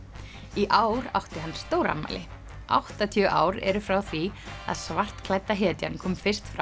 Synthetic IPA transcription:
iʔaːwɾa̰wht̪ɪɦanːst̪oːwɾa̰mːa̰jlɪ | ʔa̰wht̪at̪ʰjœʔa̰ːwɾɛ̰ɾʏfɾawθvia̰ðsvar̥t̪kʰlajt̪ːaɦɛːt̪ja̰nkʰɔːmfɪr̥st̪fɾa̰w

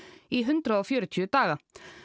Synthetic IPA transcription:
iɦʏnt̪ɾaɔfjɔːɾʏt̪ʰʏːt̪aːɣa

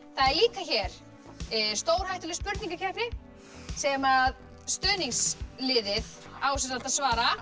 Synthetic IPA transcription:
θaðɛɾliːkaçɛɾ̥ | st̪oːwɾ̥hajht̪ʏlɪspʏɾt̪niŋkaɾcʰɛpnɪ | sɛmað | st̪œːniŋslɪðɪð | aːwsɛat̪aðsvaːɾa

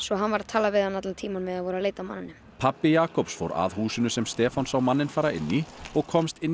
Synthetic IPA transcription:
svɔɦanvaɾat̪ʰaːlavɪðhanat̪lalt̪ʰiːmanmɛðaðvɔːɾaleːjt̪amanːɪnːʏmpʰapːɪjaːkɔwpsfo̰wɾa̰ðhuːsɪnʏsɛmst̪ɛːfansawmanːɪnfaːɾaɪ̰nːiɔɣkʰɔmst̪ɪnː

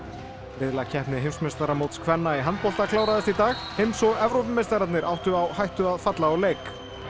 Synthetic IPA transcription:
vɪðlacʰɛhpnɪɦejmsmest̪aɾamowt̪skʰvɛnːaiɦant̪pɔl̥t̪akʰlaːwɾaðɛst̪it̪aːxhejmsɔɣɛvɾowp̬ɪmejst̪aɾat̪nɪɾʔawht̪ʏawhajht̪ʏaðfat̪laɔleːjk

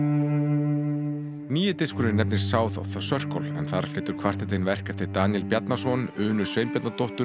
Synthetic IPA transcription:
niːjɪt̪ɪskʏɾɪnɛpnɪssaːwθɔ̰wθasœr̥kɔ̰lɛ̰nθaɾ̥flɪht̪ʏɾ̥kʰvar̥t̪ɪt̪ɪnvɛr̥kɛft̪ɪt̪aːnjɛlpjat̪nasɔnʏːnʏ̥sveːjmpjɛt̪nat̪oht̪ʏ

